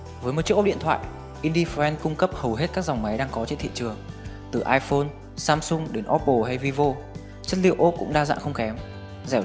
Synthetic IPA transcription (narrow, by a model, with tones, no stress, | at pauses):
və˨˦jm̚˨˩t͡ɕi˦˥k̚ːɗḭ˧˨ə˨t̪ʰwa̰ː˧˨j | ʔi˧nɗi˧fɛ˧nkʊ˧ŋ͡mkə˦˥p̚hə˨˩wɦe˦˥t̚kaː˦˥k̚za˨˩wŋ͡mma˨˦jɗaː˧ŋkɔ˨˦t͡ɕḛ˧˥˨nt̪ʰḭ˧˨t͡ɕɨ˨˩əŋ | t̪ɨ˨˩ʔaː˧jfo˧n | saː˧msʊ˧ŋ͡mɗe˨˦nʔɔ˦˥p̚ʔo˧˩ɦa˧jvi˧vo˧ | t͡ɕə˦˥t̚lḭ˧˨wʔo˦˥p̚kʊ̰˧˥ŋ͡mɗaː˧za̰ː˧˨nxə˧wŋ͡mkɛ˨˦m | zɛ˧˩